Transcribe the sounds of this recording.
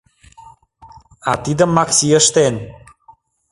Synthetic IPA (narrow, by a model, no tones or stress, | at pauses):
at̪id̪əmːɑksiəʃt̪en